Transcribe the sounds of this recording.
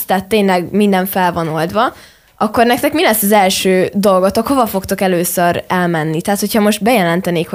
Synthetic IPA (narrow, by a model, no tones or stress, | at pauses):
st̪aːt̪ːeːnlɛɡmind̪ɛɱfɛlvɒno̞ld̪vɒ | ʔɒkːo̞rnɛk̚t̪ɛkmilɛsːɒzɛlʃøːd̪o̞lɡot̪okho̞vɒfo̞kt̪o̞kɛløːsøɾɛlmɛnːit̪ɛɦaːt̪ho̞cʰhɒmo̞ʒt̪̚bɛjɛlɛnt̪ɛneːkho